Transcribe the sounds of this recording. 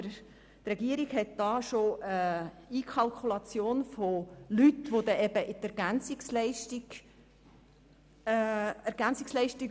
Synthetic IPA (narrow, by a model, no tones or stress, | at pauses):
ɾ | t̪rɛɡ̥iəɾiɡɦɛt̚d̥ɑːʃoʔə | iːkʰɑlkʰulɑt͡sjoːnfolyt̪ʋod̪ɛʔɛb̥əʔɪt̪ɛɾɡ̥ænt͡sɪkslɛɪʃtiɡ̥ | æɾɡ̥ænt͡sɪkslɛɪʃtik